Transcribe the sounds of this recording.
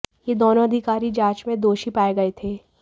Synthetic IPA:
jed̪oːnõɐd̪ʱɪkaːɾid͡ʒãːt͡ʃmẽd̪oːʃipaːeɡɐet̪ʰeː

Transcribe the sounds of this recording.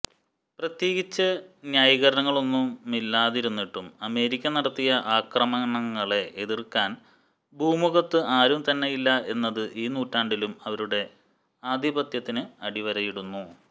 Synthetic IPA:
prɐt̪je̞ːɣit͡ɕːɐnjaːjiɣɐɾɐnɐŋːɐɭo̞nːumːilːaːðiɾunːiʈːumɐme̞ːɾikʲːɐnɐɽɐt̪ːijɐʔaːkrɐmɐnɐŋːɐɭe̞ʔeðirkaːn | bʱuːmuɣɐt̪ːɨʔaːɾumt̪ɐnːe̞jilːɐʔe̞nːɐðɨʔiːnuːtːaːɳɖilumɐʋɐɾuɽe̞ | aːd̪ʱibɐt̪jɐt̪ːinɨɐɽiʋɐɾɐjiɽunːu

